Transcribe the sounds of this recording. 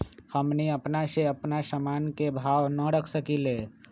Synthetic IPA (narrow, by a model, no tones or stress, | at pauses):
həmniəpnaseəpnasəmaːnkebʱaːwnəɽəkʰsəkileː